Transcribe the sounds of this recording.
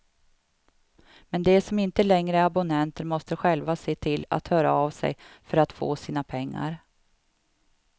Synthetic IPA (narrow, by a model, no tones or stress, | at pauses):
mɛnd̪ɛsɔmɪnt̪əlɛŋɾəabʊnɛnt̪əɾmɔst̪əɧɛlvaseːt̪ʰɪla̰t̪hœːɾa̰avsɛ̰jfœɾat̪fo̰ːsiːnapʰɛŋːa̰ɾ